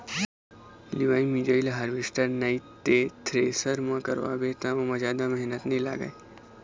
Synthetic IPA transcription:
liʋaːimid͡ʒəilɦaɾʋisʈəɾnait̪ːet̪ʰɾeːsəɾmãkə̰ɾʋa̰bet̪ãʋɐ̃mɐd͡ʒaːd̪amɛɦnət̪nila̰ːɡa̰e

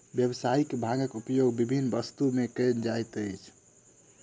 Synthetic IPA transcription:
bjəbsaikebʱaɡəkupjoɡbibʱinːbəst̪umekənd͡ʒajt̪əjt͡ʃʰ

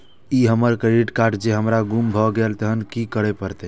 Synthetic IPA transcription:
iɦəməɾkiʈkaɾɖd͡ʒeɦəmɾaɡumbʱɔɡelt̪əɦənkikəɽepəɾt̪ɛ

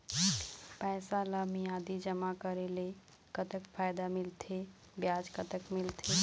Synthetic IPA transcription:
pɛɪsaləmijad̪id͡ʒəmakəɾele | kət̪əkpʰajd̪amilt̪ʰe | bjad͡ʒkət̪əkmilt̪ʰe

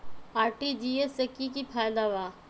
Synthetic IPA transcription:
aːɾʈid͡ʒiesɐkikipʰaːjd̪aʋaː

